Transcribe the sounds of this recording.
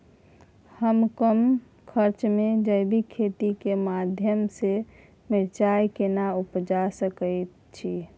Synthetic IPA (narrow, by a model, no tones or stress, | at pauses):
həmkəm | kʰəɾt͡ʃmed͡ʒəɪbikʰet̪ikemad̪ʱjəmse | miɾt͡ʃajkenaupd͡ʒasəkəjt̪ | t͡ʃʰi